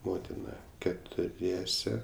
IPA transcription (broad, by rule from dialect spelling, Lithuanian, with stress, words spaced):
ˈmoːtʲɪnɐ kʲɛtʊˈrʲiɛsʲɛ